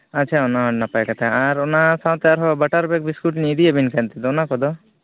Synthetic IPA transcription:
at͡ʃʰaɔnaɦɔnapajkat̪ʰaaɾɔnasãw̃t̪ɛaɾɦɔbaʈaɾbɛk̚biskuʈniːd̪iabinkʰant̪ɛd̪ɔɔnakɔd̪ɔ

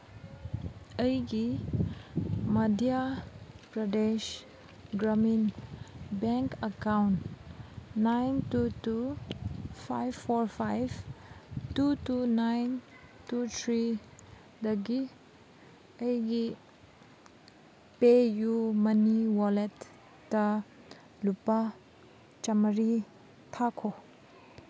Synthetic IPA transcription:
əjɡi | madia | b̥ɹadeʃ | ɡɾamin | bɛ̃ŋkəkawnt | najntutu | fa̰jvfɔɹfajv | tutunajn | tut̪ʰɾi | dɐɡi | ɐjɡi | pejumɐniwɔlɛtː | ɐ | lupa | t͡ʃɐmɾi | t̪ʰakʰo

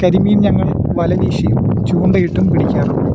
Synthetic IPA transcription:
kɐɾimɐjumɲɐŋːɐɭ | ʋɐlɐniːɕɐjum | t͡ɕuːɳɖɐjiʈːumpiɽikʲːaːru

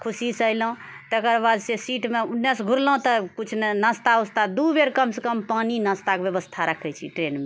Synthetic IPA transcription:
kʰusisəjlũ | t̪ekəɾbad̪sesiʈmeunːəsɡʱuɾlə̃t̪ɔkut͡ʃʰnnəst̪aust̪ad̪ubeɾkəmsekəmpaninəst̪akebjebəst̪ʰaɾəkʰɛt͡ʃʰiʈɾenme

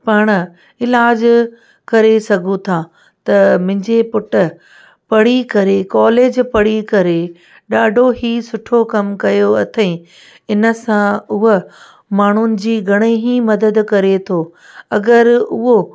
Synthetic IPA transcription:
pɐɽ̃̆ | ɪlaːd͡ʑ | kɐɾesɐɡʱũt̪ʰaː | t̪ɐmʊ̃ɦɪ̃ɲd͡ʑepʊʈʊ̆ | pɐɽikɐɾekɔːleːd͡ʑpɐɽ̤ikɐɾe | ɗaːɖʱoɦiːsʊʈʰokɐmkɐjoɐt̪ʰẽ | ɪnə̆sãʊɦə | maːɳ̤ʊnɪ̆d͡ʑiːɡʱɐɽ̃eɦimɐd̪əd̪kɐɾet̪ʰoː | ɐɡəɾʊɦo

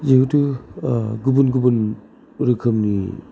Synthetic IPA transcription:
zeutu | ɡubunɡubun | ɾɯkʰɯmni

